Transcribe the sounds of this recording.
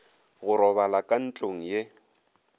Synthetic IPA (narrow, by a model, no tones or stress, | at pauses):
ɣʊɾɔβalakʼan̩t͡ɬʼoŋ̩je